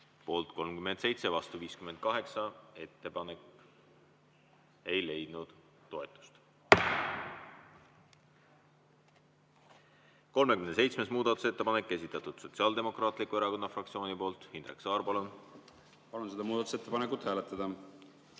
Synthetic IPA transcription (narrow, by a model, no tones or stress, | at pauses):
po̞ːlt̪ko̞lmkyme̞nd̪̥se̞jt̪sevɑst̪uviːskyme̞n̚kɑɦe̞ksɑe̞t̪ːe̞pɑnek | e̞jle̞jd̪̥nud̪̥ | t̪ːo̞e̞t̪ˑːu̥st̪ | ko̞lme̞kymnese̞jt̪sme̞smuːd̪̥ɑt̪ːˑu̥se̞t̪ːe̞pɑnekˑːe̞s̬it̪ːˑɑt̪ˑud̪̥so̞t̪siɑːld̪e̞mo̞krɑːt̪ˑlikːueɾɑko̞nːɑfrɑk̚t̪sio̞ːnipo̞ːlt̪hind̪rḛksɑːrpɑlun | pɑlunsed̪ɑmuːd̪ɑt̪uset̪ːepɑnekːˑut̪hæːlet̪ːˑɑd̪̥ɑ